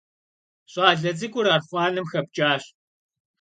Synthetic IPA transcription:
ɕʼɑːɮɐd͡zɨɡʷʼʊɾaːrχʷɑːnɨmxɐp̚t͡ʃʼaːɕ

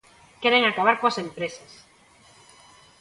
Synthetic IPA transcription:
kɛɾeŋakaβaɾkoasempɾesas

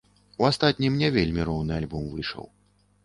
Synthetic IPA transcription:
uast̪at̪ʲnʲimnʲɛvʲelʲmʲiɾɔwnɨalʲbɔmvɨʂə̰w

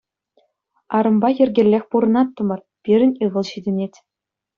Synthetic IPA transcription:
ɑɾɤ̆mbɑjɘ̆rʲɡʲĕlʲːexʲpuɾɤ̆nɑt̪ːɤ̆mɤ̆r | pʲiɾʲɘ̆nʲɯʁɤ̆lˠɕidʲɘ̆nʲetʲ

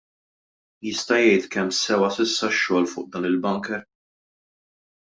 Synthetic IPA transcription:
jɪst̪ɐjɛjt̪kɛmːsɛwɐsɪsːɐʃːɔːlfʊ̰ːʔd̪ɐːnɪlbɐŋkɛɾ

